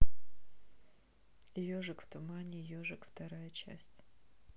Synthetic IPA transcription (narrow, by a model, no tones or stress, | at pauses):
joʐɨkft̪ʊmanʲɪjoʐɨkft̪ɐɾajət͡ɕæ̰sʲtʲ